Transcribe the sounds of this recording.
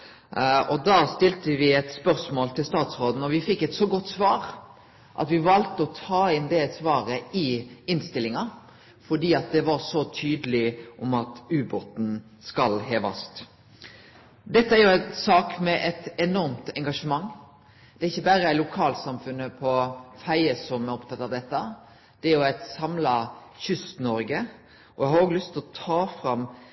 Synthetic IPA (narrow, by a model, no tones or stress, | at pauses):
ɔd̪ɑːst̪ɪlt̪əʋɪɛt̪spœɾsmoːlt̪ʰɪlst̪ɑːt̪sʁoːd̪n̩ɔʋɪfɪkːɛt̪sɔɡɔt̪ːsʋɑːɾ | ʔɑ̰t̪ʋɪʋɑlt̪əɔt̪ʰɑːɪnd̪ɛːsʋɑːɾəɪɪnst̪ɪlːɪŋɑ | fɔɖ̪iːɑt̪̚d̪ɛʋɑɾsɔt̪ʰyːd̪əlɪʔɔmɑt̪ʉːbɔt̪n̩ | skɑlɦeːʋɑ̰st̪ | d̪ɛt̪ːəæːɾjʊæɪnsɑːkmɛʔɛt̪ɛnɔɾmt̪ɛŋɡɑʂəmɑŋː | d̪̥ɛæɾɪçːəbæɾəæɪlʊkʰɑːlsɑmfʉnːəpʰɔfæɪəsɔmæɾɔpt̪ʰɑt̪ːɑʋd̪ɛt̪ːə | d̪̥ɛæɾjʊæɪt̪sɑmlɑçʉst̪nɔɾɡə | ɔjæɪhɑɾoːɡlʏst̪ʰɪlɔt̪ʰɑːfɾɑm